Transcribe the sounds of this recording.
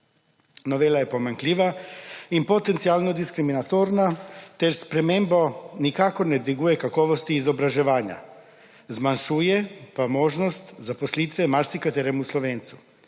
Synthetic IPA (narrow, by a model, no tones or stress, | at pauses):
no̞ʋeːlaje̞po̞maŋkliʋaimpo̞t̪ent̪sialnod̪iskɾiminat̪oɾnat̪eɾspɾemembonikakoned̪ʋiɡujekakoʋost̪iːzobɾaʒeʋaːɲa̰ | zmanʃujepamo̞ʒnost̪zaposlit̪ʋemaɾsikat̪eɾemusloʋeːnt̪su